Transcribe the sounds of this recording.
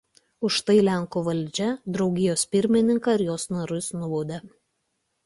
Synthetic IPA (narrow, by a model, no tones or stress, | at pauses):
ʊʃt̪ɐɪlʲæŋˑkuʋɐlʲd͡ʒʲɛd̪ɾɒʊɡʲɪjoːspʲɪɾʲmʲɪnʲɪŋkɐɪɾjoːsnɐɾʊsnʊʋoːd̪ʲɛ